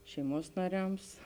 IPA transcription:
ʃʲɛɪˈmuɔs nɐˈrʲɛms

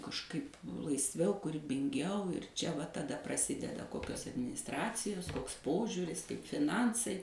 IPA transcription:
kɐʃˈkɐɪp lˠɐɪsʲˈʋʲɛʊ kuːrʲɪbʲɪŋʲˈɡʲɛʊ ɪr ˈt͡ʃʲɛ ˈʋɐ tɐˈdɐ prɐˈsʲɪdʲɛdɐ ˈkoːkʲoːs ɐdʲmʲɪnʲɪsˈtrɑːt͡sʲɪjoːs ˈkoːks ˈpoːʒʲuːrʲɪs kɐɪp fʲɪˈnɐnsɐɪ

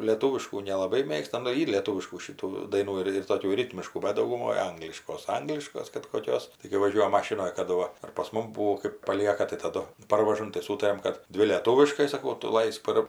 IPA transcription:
lʲeːˈtuːʋʲɪʃkuː nʲɛlˠɐˈbɐɪ ˈmʲeːkstɐ nʊ ˈiːr lʲeːˈtuːʋʲɪʃkuː ʃʲɪˈtuː ˈdɐɪnuː ɪr ɪr toːˈkʲuː ˈrʲɪtʲmʲɪʃkuː ˈbʲɛt dɐʊɡʊˈmoːj ˈɐŋɡlʲɪʃkoːs ˈɐŋɡlʲɪʃkoːs kɐt koːˈkʲoːs tɐɪ kɐɪ ʋɐˈʒʲuɔjɛm ˈmɑːʃʲɪnoːj kɐˈdʊ ˈʋɐ ɐr pɐs ˈmʊm ˈbuːoː kɜp pɐˈlʲiɛkɐ tɐɪ tɐˈdʊ ˈpɐrʋɐʒɐm tɐɪ ˈsuːtɐrʲɛm ˈkɐt ˈdʲʋʲɪ lʲeːˈtuːʋʲɪʃkɐɪ sɐˈkɐʊ ˈtʊ ˈlˠɐɪsk pɐr

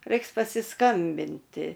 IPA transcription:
ˈrɐɪks pɐsʲɪskɐmʲbʲɪnʲˈtʲɪ

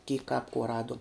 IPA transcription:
kʲiːk kɐp kuɔ ˈrɑːduɔm

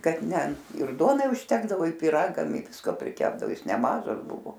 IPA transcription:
ˈkɐt ˈnʲɛ ɪr ˈduɔnɐɪ ʊʃʲˈtʲæːɡdɐʋoː ɪr pʲiːˈrɑːɡɐm ɪ ˈʋʲɪskoː pʲrʲɪˈkʲæːbdɐoː ˈjɪs nʲɛˈmɑːʒɐs ˈbʊʋoː

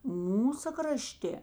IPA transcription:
ˈmuːsɐ krɐˈʃʲtʲeː

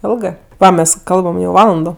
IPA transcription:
ˈɪlˠɡɜ ˈmʲɛs ˈkɐlˠbɐm jɛʊ ˈʋɑːlˠɐndoː

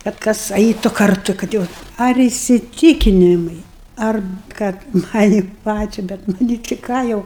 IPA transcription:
kɐt ˈkɐs ˈɐɪtʊ kɐrˈtʊ kɐt ˈjɛʊ ɐr ɪsʲɪˈtʲiːkʲɪnʲɪmɐɪ ɐr ˈkɐt ˈmɑːnʲɪ ˈpɑːt͡ʃʲɛ bʲɛt ˈnʊ nʲɪ tʲɪ ˈkɑː jɛʊ

